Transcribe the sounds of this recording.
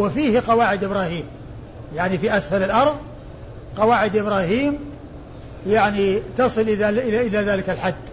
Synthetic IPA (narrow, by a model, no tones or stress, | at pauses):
wɪfiːhqɑwaːʕɪd̪ʔɪbɾaːhiːm | jaʕnifiʔasfalɪlʔɑɾˤðˤ | qɑwaːʕɪd̪ʔɪbɾɑːɦiːm | jaʕnit̪ɑsˤɨlʔɪaɪʔɪlaðaːlɪkalħad̪ː